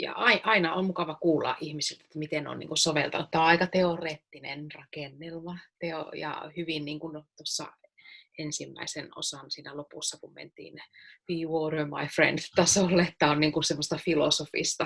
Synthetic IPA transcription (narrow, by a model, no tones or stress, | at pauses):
jɑ̰ʔɑiʔɑinɑo̰mmukɑʋɑkuːlːɑ̰ʔʔihmisilt̪et̪ːæmit̪eno̰nḭŋkunsoʋḛlt̪ɑ̰net̪ːæoɑikɑt̪eoreːt̪ːinenrɑkenːelmɑt̪eo̰jɑ̰hyʋinniːŋkunt̪osːɑ̰ | ensimːæ̰iseno̰sɑnsiːnælopusːɑkummḛnt̪ḭːnʋiːʋoːrøːmɑ̰ifrḛndt̪ɑsolːeet̪ːæonniːŋkunsemːost̪ɑfilosofḭst̪ɑ